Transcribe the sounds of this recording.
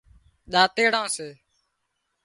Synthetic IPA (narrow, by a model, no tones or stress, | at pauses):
ɗ̪aːt̪eːɽãːseː